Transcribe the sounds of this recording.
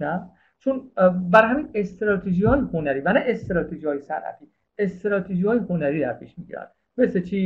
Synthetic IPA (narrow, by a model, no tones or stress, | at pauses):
næ | t͡ʃʰonbæɾɦæmiːnest̪eɾɒːt̪ʰeʒihɒːjehonæɾiːvænæʔest̪eɾɒːt̪ʰeʒihɒːjesæ̰ɾæ̰t̪ʰiː | est̪ɾɒːt̪ʰeʒihɒːjehonæɾiːd̪æɾpʰḭʃmiɟḭɾæ̰nd̪ | meset͡ʃʰiː